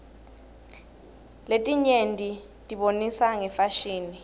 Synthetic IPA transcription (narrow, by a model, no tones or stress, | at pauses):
letʼiɲentʼi | tʼiɓonisaŋɛfaʃiːni